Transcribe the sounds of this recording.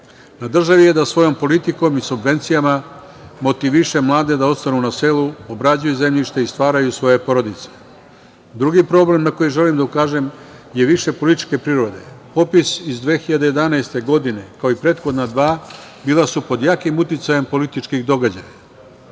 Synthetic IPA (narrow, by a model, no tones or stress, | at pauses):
nad̪r̩ʒaʋije̞d̪asʋo̞jo̞mpo̞lit̪iko̞misubʋe̞nt̪sijama | mo̞t̪iʋiʃe̞mlˠaːd̪e̞d̪ao̞t̪st̪anunase̞luobɾad͡ʑujuze̞mʎiʃt̪e̞ist̪ʋaːɾajusʋo̞je̞po̞ɾo̞d̪it̪se̥ | d̪ɾuɡipɾo̞ble̞mnako̞jiʒe̞limd̪aukaːʒe̞mje̞ʋiʃe̞po̞lit̪i̥t͡ʃke̞pɾiɾo̞d̪e̞̰po̞pisizd̪ʋe̞ːxiʎad̪e̞je̞d̪anaːst̪e̞ɡo̞d̪ine̞kaoipɾe̞ːt̪xo̞d̪nad̪ʋaːbiːlˠasupo̞d̪jaːkimut̪it̪saje̞mpo̞lit̪it͡ʃkiɣd̪o̞ɡad͡ʑa̰ja